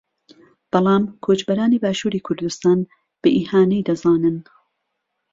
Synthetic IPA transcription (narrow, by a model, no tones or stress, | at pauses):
b̥ɑlˠɑːmkʰoːt͡ʃbɐɾaːniːbaːʃuːɾiːkʰʊɾd̪ust̪aːn | b̥ɨʔiːhaːnijd̪ɐzaːnɨn